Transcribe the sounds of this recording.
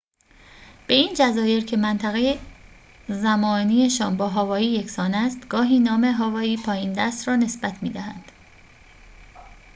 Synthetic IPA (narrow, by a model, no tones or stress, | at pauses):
b̥e̞iːnd͡ʒæzɒːje̞ɾcʰe̞mænt̪ʰæɣe̞je | zæmɒːniːeʃɒːnbɒːɦɒːvɒːiːje̞csɒːnæst̪ɡ̥ɒːɦiːnɒːme̞ɦɒːvɒːiːpʰɒːjiːnd̪æst̪ɾɒːne̞sb̥æt̪ʰmḭːd̪æhæ̰nd̪̥